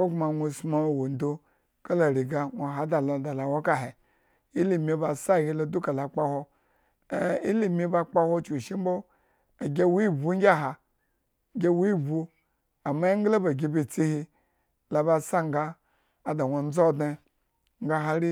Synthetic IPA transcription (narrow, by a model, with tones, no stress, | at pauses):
o˦ɡma˨nʷo˧˨sma˦˨wo˨n˨do˦ | ka˦la˨ɾi˨ɡa˨ŋʷo˨ɦa˨da˨la˨da˨la˨wo˦ka˦ɦe˨ | i˦li˨mʲi˧˦ba˨sa˦˨hʲi˧˦lo˨˧du˦ka˨la˨k͡pa˦ho˧˨ | i˦li˦˨mʲi˦ba˧k͡pa˦ho˦t͡ʃu˨ʃi˦m̩˦bo˦ | a˨ɡʲe˦wu˦i˦bu˦ŋ˦ɡʲa˦ɦa˨ | ɡʲe˦wu˦i˦bu˧ | a˨ma˦i˦ŋ˦ɡla˦ba˨ɡʲi˧bi˨t͡si˦hi˧ | la˨ba˧sa˦ŋ˨ɡaː˦˨ | da˨ŋʷo˨n̩˦d͡zo˦˨dne˧ | ŋ̩˦ɡa˦ɦa˦ɾi˦